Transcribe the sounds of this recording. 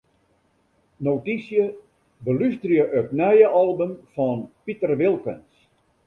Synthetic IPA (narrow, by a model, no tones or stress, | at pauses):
notisjə | bəlystrjəʔətnɛjəʔɔlˠbəmfɔnpitərʋɪlˠkə̰ns